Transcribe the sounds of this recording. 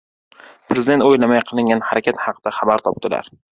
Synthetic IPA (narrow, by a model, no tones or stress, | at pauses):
pʰɾezɪd̪e̞nt̪ojlamajqʰɨlˠɪŋɡʲanhaɾakʲat̪hɑqʰd̪̥aχabaɾt̪ʰɒp̚t̪ɪla̰ɾ